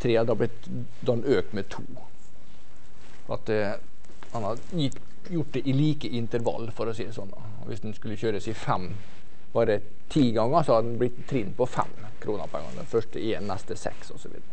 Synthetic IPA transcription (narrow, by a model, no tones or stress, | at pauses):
t̪ʰɾeːɑd̪ɑblɪt̪ | d̪ɑɛnøːk̚t̪mɛt̪ʰuː | ɔɑ̰t̪ | hɑnɑ | jɪ | jʊʈːd̪ɛʔɪliːkəʔɪnt̪əɾʋɑ̰lːfɔɾɔseːsɔnːɑ̰ | ɔʋɪ̰sd̪ɛnskʉlːəçøːɾəsɪfɛm | b̥ɑːɾə | t̪ʰiːɡɑŋːəsɔhɑd̪d̪ɛnblɪt̪ːt̪ʰːɾɪnːpʰɔfɛ̰mː | kʰɾuːnə̰ɾpʰɛ̰ŋə̰d̪ɛ̰nfœʂʈəeːnːɑst̪əsɛ̰ksɔsɔʋḭːd̪əɾə